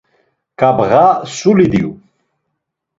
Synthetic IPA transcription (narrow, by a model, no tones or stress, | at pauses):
kabɣasulid̪iw